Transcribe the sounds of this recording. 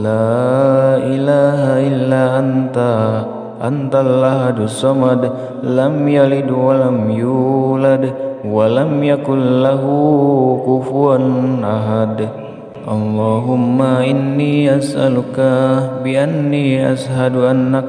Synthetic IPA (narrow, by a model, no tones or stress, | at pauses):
laːʔilaːɦaʔɪlːaːnt̪a | ʔa̰nt̪alaɦad̪usamad̪ | lamjalid̪walamjuːlad̪walamjakʊnlaɦukufuanʔaɦad̪ | ʔɑ̰lːɑːɦʊmːaʔɪnːiːʔasʔalukabiʔanːiʔa̰sɦaduʔanːak